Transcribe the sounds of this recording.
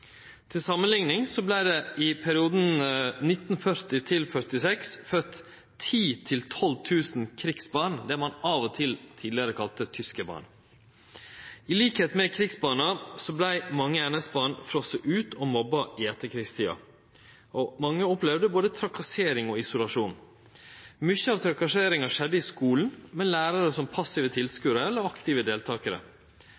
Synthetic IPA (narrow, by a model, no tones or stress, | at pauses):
t̪ʰɪlsɑmənlɪŋnɪŋsɔblæɪd̪ɛɪpʰæɾɪuːd̪n̩nɪt̪n̩fœɾt̪ɪt̪ʰɪlfœɾt̪ɪsɛksfœt̪ | t̪ʰiːt̪ʰɪlt̪ʰɔlt̪ʰʉːsn̩kʰɾiksbɑːɳd̪ɛmɑnɑʋɔt̪ʰɪlt̪ʰiːd̪ɪəɾəkʰɑlt̪ət̪ʰʏskəbɑ̰ːɳ | ɪliːkheːt̪mɛkʰɾɪɡsbɑːnɑsɔblæɪmɑŋːəɛnəsbɑːɳfɾɔsəʔʉːt̪ʰoːmɔbɑʔɪɛt̪ːəkʰɾɪkst̪ʰiːɑ̰ | ʔomɑŋːəɔplɛʋd̪əboːd̪ət̪ʰɾɑkɑseːɾɪŋɔːɪsʊlɑʂuːn | mʏçəɑʋt̪ʰɾɑkɑʂeːɾɪŋɑʂɛd̪ːəiːskuːln̩mɛnlæːɾɑɾəsɔmpʰɑsɪʋət̪ʰɪlskʉɾəɛlːəɾɑkt̪ɪːʋəd̪eːlt̪ʰɑːkəɾə̰